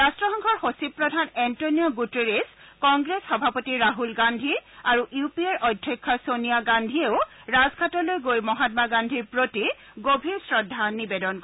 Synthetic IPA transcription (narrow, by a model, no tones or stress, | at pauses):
ɹastɹɔxɔŋkʰɔɹxosipɹɔdʱanɛntoniɔɡuteɹeskɔŋɡɹesxɔbʱapotiɹaɦulɡandʱiaɹuʔupieɹʔɔjdʱɹɔkʰːɔsoniaɡandʱieʊɹazkʰatɔlojɡojmɔɦatmaɡandʱiɹpɹotiɡobʱiɹsɹɔdʱːanibedɔnkɔ